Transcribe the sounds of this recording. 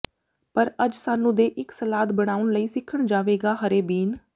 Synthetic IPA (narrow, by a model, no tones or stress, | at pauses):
pəɾəd͡ʒsaːnũːd̪eːʔɪksəlaːd̪bəɽ̃aːʊɳləiːsɪkʰːəɳd͡ʒaːʋeːɡaːɦəɾeːbiːn